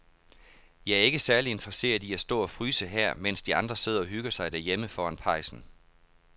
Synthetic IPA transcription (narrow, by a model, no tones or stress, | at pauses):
jɑ̈ɪæɐe̝ɡ̥əsæɐlie̝nd̥ʁɐse̝̰ːɐiæsd̥ɔ̰ːɒ̽fʁyːsəɦæɐ̰men̰sd̥iɑ̈nd̥ʁɐse̝ð̞̰ˠɐɒ̽ɦyɡ̥ɐsɑ̈ɪd̥æɐ̰jeməfɒːænpʰɑ̈ɪsn̩